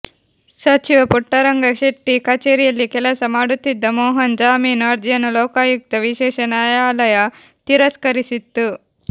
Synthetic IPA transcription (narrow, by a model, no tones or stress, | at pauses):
sɐt͡ʃiʋɐpuʈːɐɾɐŋɡɐʃiʈːikɐt͡ʃeːɾijɐlːikɛlɐsɐmaːɽut̪ːid̪ːɐmoːɦɐnd͡ʒaːmiːnɐɾd͡ʒ̪jɐnuloːkaːjuk̚t̪ɐʋiʃɛːʃɐnaːjaːlɐjɐ | t̪iɾɐskɐɾisit̪ːu